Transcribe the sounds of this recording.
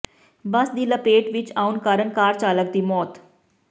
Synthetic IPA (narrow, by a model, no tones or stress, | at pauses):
bəsd̪iːləpeːʈʋɪt͡ʃaːʊnkaːɾənkaːɾt͡ʃaːlək̚d̪iːmɔːt̪